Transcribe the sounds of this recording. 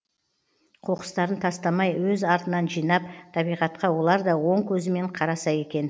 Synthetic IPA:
qʰo̞qə̥st̪ɑɾənt̪ʰɑst̪ɑmɑjwɵzɑɾt̪ənɑnʒijnɑp̚t̪ʰɑbijʁɑt̪qɑwo̞lˠɑɾd̪ɑwo̞ɴkʲʰɵzɪme̞ɴqʰɑɾɑsɑje̞kʲe̞n

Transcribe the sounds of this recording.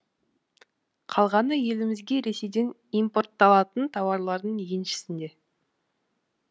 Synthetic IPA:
qʰɑlˠʁɑnəje̞lɪmɪzɡʲe̞ɾe̞se̞jd̪e̞n | ijmpo̞rt̪ːɑlˠɑt̪ənt̪ʰɑwɑɾlˠɑɾd̪əɴjenʃɪ̥sɪnd̪e̞

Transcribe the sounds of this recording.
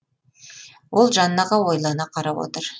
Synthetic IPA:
wo̞lˠʒɑnnɑʁɑwo̞jlˠɑnɑqʰɑɾɑwo̞̰t̪əɾ

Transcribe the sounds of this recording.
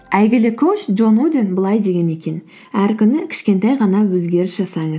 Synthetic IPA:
æjɡʲɪlɪkʰowt͡ʃdʒo̞nud̪ʲenbəlˠɑjd̪e̞ɡʲe̞ne̞kʲe̞n | æɾkʲʏnɪkʲʰɪ̥ʃkʲe̞nt̪æjʁɑnɑwɵzɡʲe̞ɾɪsʒ̥ɑsɑɴəz

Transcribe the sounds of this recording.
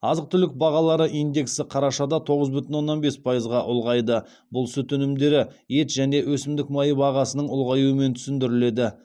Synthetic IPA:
ɑzəq̚t̪ʏlɪk̚bɑʁɑlˠɑɾəʔijnd̪e̞ksɪqʰɑɾɑʃɑd̪ɑt̪ʰo̞ʁəzbʏt̪ɪnwo̞nːɑnbe̞spʰɑjəzʁɑʔʊlˠʁɑjd̪ə | bʊlˠsʏt̪ʏnɪmd̪e̞ɾɪ | e̞t̪ʒæne̞wʔɵsɪmd̪ɪk̚mɑjəbɑʁɑsənəɴʊlˠʁɑjuəme̞nt̪ʰʏ̥sɪnd̪ɪɾɪle̞d̪ɪ

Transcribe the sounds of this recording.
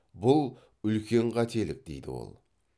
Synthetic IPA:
bʊlˠ | ʏlkʲʰe̞ɴqʰɑt̪ʰe̞lɪk̚d̪ejd̪ɪ̰wo̞̰lˠ

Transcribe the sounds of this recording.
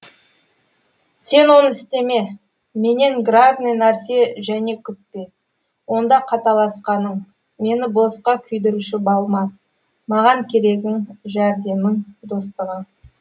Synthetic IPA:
se̞nwo̞nəɪst̪e̞me̞ | me̞ne̞ŋɡraznəjnæɾse̞ʒæne̞kʲʰʏk̚pe | wo̞nd̪ɑqʰɑt̪ɑlˠɑsqɑnəɴ | me̞nɪbosqɑkʲʰʏjd̪ɪɾuʃɪbɑlˠmɑ | mɑʁɑŋkʲʰe̞ɾe̞ɡʲɪŋʒæɾd̪e̞mɪŋd̪o̞st̪əʁə

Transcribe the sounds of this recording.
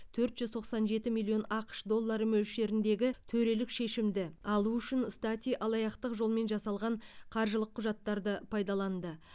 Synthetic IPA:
t̪ʰɵɾt̪ʒʏzt̪ʰo̞qsɑnʒe̞t̪ɪmilʲːio̞nɑqə̥ʃd̪o̞lˠːɑɾəmɵlʃe̞ɾɪnd̪e̞ɡʲɪt̪ʰɵɾe̞lɪkʃe̞ʃɪmd̪ɪɑlˠuʏʃɪnst̪at̪ʲijʔɑlˠɑjɑqt̪əqʒo̞lˠme̞nʒɑsɑlˠʁɑɴqʰɑɾʒəlˠəqʰːʊʒɑt̪ːɑɾd̪əpʰɑjd̪ɑlˠɑnd̪ə

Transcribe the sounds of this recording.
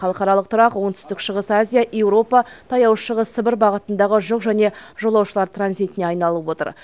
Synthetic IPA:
ɑlˠəqɑɾɑlˠəq̚t̪ʰʊɾɑqwo̞ɴŋt̪ʰʏ̥st̪ɪkʃəʁəsazʲijaʔe̞wɾo̞pɑt̪ʰɑjɑwʃəʁəsːəbɪɾbɑʁət̪ənd̪ɑʁəʒʊqʒæne̞ʒo̞lˠɑwʃəlˠɑɾt̪ranzijt̪ɪne̞ɑjnɑlˠəpwo̞t̪ə̰ɾ

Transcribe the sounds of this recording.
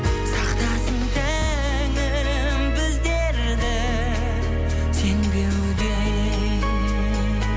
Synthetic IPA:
sɑqt̪ɑsəŋt̪e | ŋɪ | mbɪzd̪eɾ | d̪ɪ | se̞ŋd̪ew | d̪e

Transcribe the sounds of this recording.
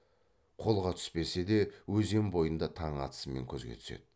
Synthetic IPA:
qʰo̞lˠʁɑt̪ʰʏ̥spe̞se̞d̪e̞wɵze̞mbo̞jənd̪ɑt̪ʰɑɴɑ̰t̪ə̥səme̞̰ŋkʲʰɵzɡʲe̞̰t̪ʰʏ̥sḛd̪

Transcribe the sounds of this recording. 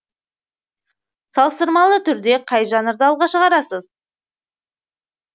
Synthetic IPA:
sɑlˠəst̪əɾmɑlˠət̪ʰʏɾd̪e̞qʰɑjʒɑnəɾd̪əɑlˠʁɑʃəʁɑɾɑsəz

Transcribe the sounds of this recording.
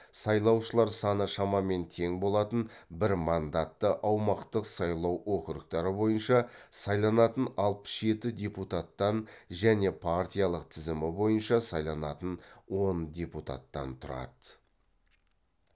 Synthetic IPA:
sɑjlˠɑwʃəlˠɑɾsɑnəʃɑmɑme̞nt̪ʰe̞ŋbo̞lˠɑt̪ənbɪɾmɑnd̪at̪ːəʔɑwmɑqt̪əqsɑjlˠɑwwoqəɾəqt̪ɑɾəbo̞jənʃɑsɑjlˠɑnɑt̪ənɑlˠpə̥sʒe̞t̪ɪdʲe̞put̪at̪ːɑnʒæne̞pʰart̪ʲijɑlˠəqt̪ʰɪzɪmɪbo̞jənʃɑsɑjlˠɑnɑt̪ənwo̞ndʲe̞put̪a̰t̪ːɑ̰nt̪ʰʊɾɑ̰d̪ə

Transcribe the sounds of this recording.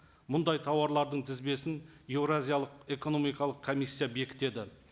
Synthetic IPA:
mʊnd̪ɑjt̪ʰɑwɑɾlˠɑɾd̪əɴt̪ʰɪzbe̞sɪnjevɾazʲijɑlˠəqeko̞no̞mijkɑlˠəqkʰomijsʲːijabe̞kʲɪ̥t̪e̞d̪ɪ

